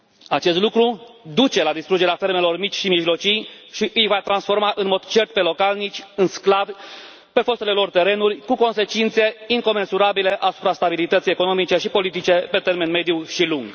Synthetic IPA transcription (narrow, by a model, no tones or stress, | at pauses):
at͡ʃe̞s̬t̪lukɾud̪ut͡ʃe̞lad̪ist̪ɾud͡ʒe̞ɾeafe̞rme̞lo̞rmit͡ʃʲʃimiʒlo̞t͡ʃijʃiʔɨjvat̪ɾansfo̞rmaʔɨnmo̞d̪t͡ʃe̞rt̪̚pe̞lo̞kalnit͡ʃʲɨnsklav | pe̞fo̞st̪ele̞lo̞rt̪e̞ɾe̞nurʲkuko̞nse̞t͡ʃint̪se̞iŋko̞me̞nsuɾabile̞ʔasupɾast̪abilit̪ət̪sijeko̞nomit͡ʃe̞ʃipo̞lit̪it͡ʃe̞pe̞t̪e̞rme̞nme̞d̪juʃiluŋɡ